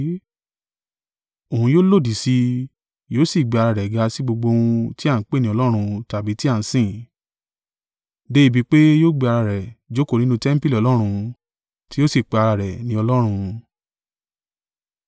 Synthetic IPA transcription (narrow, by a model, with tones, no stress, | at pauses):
o˨ũ˧joː˦lo˦˨di˨si˧ | joː˦si˦˨ɡ͡be˨˧a˧ɾa˧ɾɛ˨ɡa˧si˦ɡ͡bo˧ɡ͡bo˧ũ˧ti˦a˦˨˦k͡pe˦nĩ˦ɔ˧lɔ˦ɾ̃ũ˧ta˨bi˨˦ti˦a˦˨n̩˨˦sĩ˦˨ | de˦i˧bi˧˦k͡pe˦joː˦ɡ͡be˧a˧ɾa˧˨ɾɛ˨d͡ʒo˦ko˦˨nĩ˨˦nũ˦tɛ˦m̩˦pi˦lɔ˨˧lɔ˦ɾ̃ũ˧ | ti˦jo˦si˦˨k͡pe˨˧a˧ɾa˧ɾɛ˨nĩ˨˦ɔ˧lɔ˦ɾ̃ũ˧